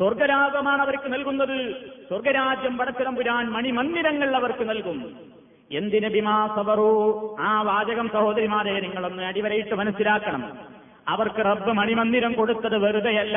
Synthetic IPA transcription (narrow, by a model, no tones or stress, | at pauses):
swɐrɡɐɾaːɡɐmaːɳɐʋɐɾkːɨnɐlkunːɐðɨswɐrɡɐɾaːd͡ʑjɐmpɐɽɐt͡ɕːɐɾɐmbuɾaːnmɐɳimɐnd̪iɾɐŋːɐɭɭɐʋɐrkɨnɐlkum | e̞nd̪inɨbimaːsɐʋɐruːaːʋaːd͡ʑɐɣɐmsɐho̞ːd̪ɐɾimaːdɐjɐniŋːɐɭo̞nːɨɐɽiʋɐɾɐjiʈːɨmɐnɐsːilaːkːɐɳɐm | ɐʋɐrkɨrɐbːɨmɐɳimɐnd̪iɾɐmko̞ɽut̪ːɐðɨʋɐɾud̪ɐjɐlːa